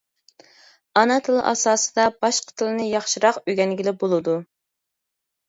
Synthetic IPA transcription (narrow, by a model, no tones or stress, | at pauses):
ɑnɑt̪ʰɨlˠɨ̰ʔɑ̰sɑːsɨd̪ɑbɑʃqʰə̥t̪ʰɨlˠɨnɨjɑχʃɪɾɑqøɡʲɛnɡʲilɪbolˠɨd̪u